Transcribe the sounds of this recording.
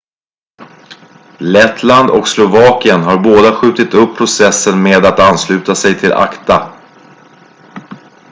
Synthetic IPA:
lɛt̪ʰland̪ɔ̰kslʊvɑːkɪənɦaɾboːd̪aɧʉ̟ːt̪ɪt̪ɵpʰːɾʊsɛsːənmeːd̪at̪anslʉ̟ːt̪asɛjt̪ʰɪlʔa̰kt̪a

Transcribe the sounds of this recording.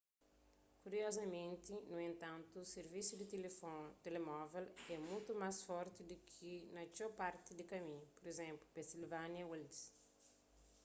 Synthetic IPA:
kuɾiɔzɐmẽnt̪inuẽnt̪ãnt̪uːseɾvisud̪it̪elefɔ̃nt̪elemɔvelɛmũt̪umasfɔɾt̪id̪ukʰinɐt͡ʃopaɾt̪id̪ikɐmĩɲupoɾezẽmplupẽnsilvanjɐweld̪s

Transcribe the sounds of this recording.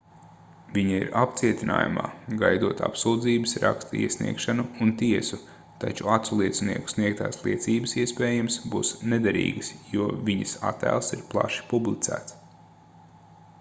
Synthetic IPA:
viɲaḭɾap̚t̪siɛt̪ʲina̰ːjṵma̰ːɡajd̪uɔt̪a̰psuːd̪ziːbəsɾakst̪iɛsnḭɛkʃanuːnt̪iɛsu | t̪at͡ʃuat̪sulˠiɛt̪snḭɛku̥sniɛk̚t̪aːslˠiɛt̪siːbəsiɛspeːjamsbuːsned̪aɾḭːɡəsjuɔvʲiɲɐsat̪ːæ̰ːlˠsiɾplˠa̰ʃi̥publˠit̪sæ̰ːt̪s

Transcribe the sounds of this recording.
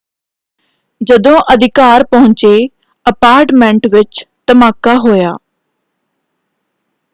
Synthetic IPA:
d͡ʒəd̪õːʔəd̪ʱɪkaːɾpəɦʊ̃ɲt͡ʃe | əpaːɾʈmɛ̃ɳʈʋɪt͡ʃt̪əmaːkaɦoːjaː

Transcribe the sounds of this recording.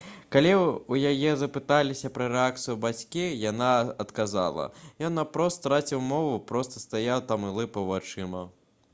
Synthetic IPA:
kalʲiujajɛzɐpɨt̪alʲisʲɐpɾɐɾɛak̚t̪sɨjubat͡sʲkʲijanaɐt̪kaza̰lˠɐ̰jɔnːɐpɾɔst̪t̪ɾat͡sʲiwmɔvupɾɔst̪ɐst̪ajawt̪amɨlˠɨpɐwvat͡ʂɨmɐ

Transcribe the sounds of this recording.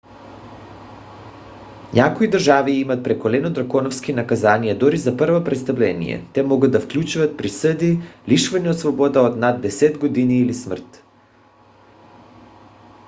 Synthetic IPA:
ɲakoid̪ərʒaviimat̪̚pɾɛkolɛnod̪ɾakɔnɔfskinakazanijad̪oɾizaprvopɾɛt̪st̪avlɛnḭjɛ̰t̪ɛmɔɡad̪̚d̪afklʲut͡ʃuvat̪̚pɾisəd̪iliʃvaɲɛot̪svɔbɔd̪aod̪nad̪ːɛsɛd̪ɡod̪iniːlismr̩t̪

